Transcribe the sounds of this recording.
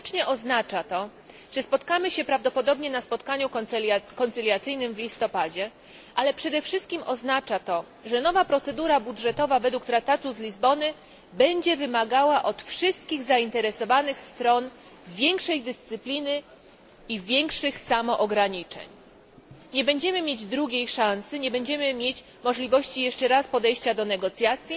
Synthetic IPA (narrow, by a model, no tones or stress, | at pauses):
t͡ʂɲɛʔɔznat͡ʂat̪ɔ | ʐ̥ɛspɔt̪kamɘɕɛpɾavd̪ɔpɔd̪ɔbɲɛnaspɔt̪kaɲukɔnt̪sɘlʲjat̪sɘjnɘmvlʲist̪ɔpad͡ʑɛ | ʔalɛpʂɛd̪ɛfʂɘst̪̚kʲimʔɔznat͡ʂat̪ɔ | ʐɛnɔvapɾɔt̪sɛd̪uɾabudʐɛt̪ɔvavɛd̪wukt̪ɾak̚t̪at̪uzlʲizbɔnɘ | bɛɲd͡ʑɛvɘmaɡawaʔɔt̪fʂɘst̪kʲiɣzaint̪ɛɾɛsɔvanɘxst̪ɾɔn | vʲjɛŋkʂɛjd̪ɘst̪sɘplʲinɘ | ivʲjɛŋkʂɘxsamɔʔɔɡɾaɲit͡ʂɛ̰ɲ | ɲɛbɛɲd͡ʑɛmɘmʲjed͡ʑd̪ɾuɡʲejʂãnsɘɲɛbɛɲd͡ʑɛmɘmʲjet͡ɕ | mɔʐlʲivɔɕt͡ɕijɛʂt͡ʂɛɾaspɔd̪ɛjɕt͡ɕad̪ɔnɛɡɔt̪sʲjat̪sʲji